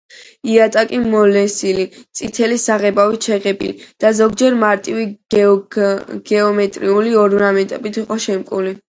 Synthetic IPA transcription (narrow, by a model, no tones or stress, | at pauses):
iat̪ʼakʼimɔlɛsilit̪sʼit̪ʰɛlisaʁɛbavit͡ʃʰɛʁɛbḭlid̪̥azɔɡd͡ʒɛɾmaɾt̪ʼiwi | ɡ̥ɛɔmɛt̪ʼɾiuliɔɾmɾamɛt̪ʼɛbit̪ʰiqʼɔʃɛmkʼuli